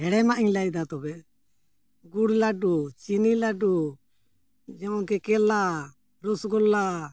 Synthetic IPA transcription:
ɦɛɽɛmaʔiɲlajd̪at̪ɔbɛ | ɡuɽlaɖut͡ʃinilaɖu | d͡ʒɛɔŋkɛkɛla | ɾusɡɔlːa

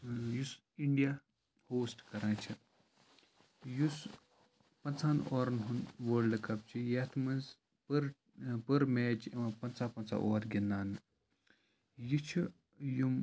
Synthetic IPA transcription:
jus | iɳɖija | hoːsʈkɐɾãːt͡ʃʰi | jus | pɐnt͡sʰaːnoːɾnɦunʋəːlɖkɐp̚t͡ʃʰijɐt̪ʰmɐnz | pɨɾ | pɨɾmeːt͡ʃpɐnt͡sʰaːpɐnt͡sʰa̰ʔoːɾɡʲinːaːnɨ | jit͡ʃʰu | jum

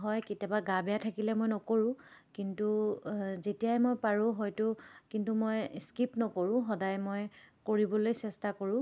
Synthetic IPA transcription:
ɦɔjketjabaɡabɛjatʰakilɛmojnɔkoɹʊ̃kintuzetijajmojpaɹʊ̃ɦɔjtʊkintumojskipnɔkoɹʊ̃ɦɔdajmojkoɹibɔlojsɛstakoɹʊ̃

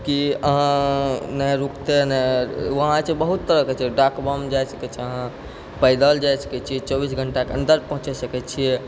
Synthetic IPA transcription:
kiəɦãnəjɾukt̪enɛəɦãt͡ʃebəɦut̪ːəɾəket͡ʃʰiɛɖakbəmd͡ʒajsə̥kɛt͡ʃʰiəɦã | pəjd̪əld͡ʒajsə̥kɛt͡ʃʰiɛt͡ʃɔbisɡʱəɳʈakeənd̪əɾpə̃ɦũt͡ʃesəkɛt͡ʃʰije

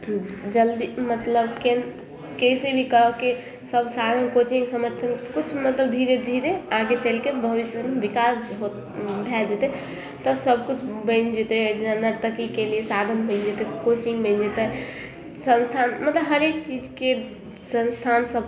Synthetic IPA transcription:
d͡ʒəld̪imət̪ləbken | kesebʱikəɦke | səbsad̪ʱənkot͡ʃiŋsəməɾt̪ʰəmkut͡ʃʰmət̪ləbd̪ʱiɾed̪ʱiɾeaɡet͡ʃəlkebʱəʋisənʋikasɦo | bʱɛld͡ʒet̪ɛ | t̪əsəb̚kut͡ʃʰbə̃nd͡ʒet̪ɛd͡ʒenanəɾt̪əkikeliesad̪ʱənbə̃nd͡ʒet̪ɛkot͡ʃiŋbəɪnd͡ʒet̪ə | sə̃nst̪ʰanmət̪ləbɦəɾek̚t͡ʃid͡ʒke | sə̃nst̪ʰansəb

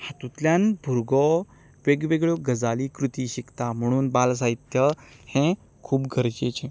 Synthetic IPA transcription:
hãt̪ut̪ljãnbʱuɾɡɔ | ʋeɡʋeɡɭoɡəd͡zalikɾut̪iɕikt̪am̤əɽ̃uːnbals̬ait̪jəhẽ | kʰuːpɡʱəɾt͡ɕet͡ɕẽ

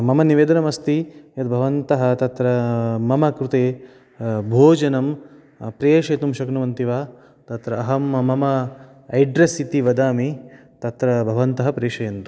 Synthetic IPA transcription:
mɐmɐniʋeːd̪ɐnɐmɐst̪ijɐt̪bʱɐʋɐnt̪ɐɦɐ̆t̪ɐt̪ɾɐmɐmɐkɾut̪eː | bʱoːd͡ʒɐnɐm | pɾijeːʂɐːt̪umʃɐknɐʋɐnt̪iʋaː | t̪ɐt̪ɾɐːɦɐmmɐmɐ | ɐjɖɾɐsit̪iʋɐd̪aːmi | t̪ɐt̪ɾɐbʱɐʋɐnt̪ɐɦɐpɾeːʂɐjɐnt̪u

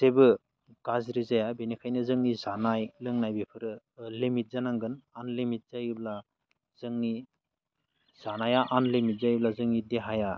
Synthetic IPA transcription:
zebɯ | ɡ̥azɾizajabenikʰajnɯzɯŋnizanajlɯŋnajbepʰɯɾɯ | lemit̚zanaŋɡɯnanlemit̚z̥ajɯbla | z̥ɯŋni | z̥anajaʔanlemit̚zajblazɯŋnideɦaja

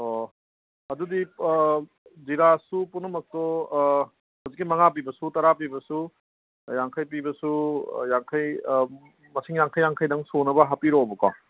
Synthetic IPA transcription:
o | ɐdudi | ziɾasupunːɐmɐk̚tɔ | hawzikːimɐŋap̬ibɐsutɐɾap̬ibɐsu | jaŋkʰajp̬ibɐsujaŋkʰaj | mɐsiŋjaŋkʰajːaŋkʰajdɐŋsonɐbɐɦapiɾobɐka̰

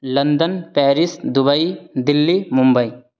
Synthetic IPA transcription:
lɐnd̪ənpɛːɾisd̪ʊbɐid̪ɪlːimʊ̃mbəi

